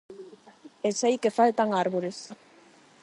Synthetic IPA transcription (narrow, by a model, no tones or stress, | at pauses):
esajkefalt̪aŋaɾβoɾes